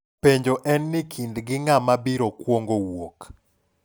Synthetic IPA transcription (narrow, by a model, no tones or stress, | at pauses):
peɲd͡ʒoʔɛnːɪkʰindɡɪŋamabiɾokwoŋɡowok